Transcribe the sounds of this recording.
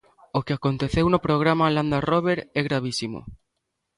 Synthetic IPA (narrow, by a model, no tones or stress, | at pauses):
okeakont̪eθewnopɾoɣ̞ɾamaland̪aroβeɾɛɣɾaβ̞isimo̰